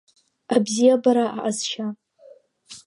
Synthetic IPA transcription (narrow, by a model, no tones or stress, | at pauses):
abzijabaɾaʔaʔazʃa